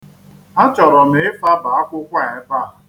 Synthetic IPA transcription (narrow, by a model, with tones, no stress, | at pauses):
a˦t͡ʃɔ˨ɾɔ˨me˨˦ɪ˦fa˦ba˨a˦kʷʊ˦kʷa˦˨e˦fa˦˨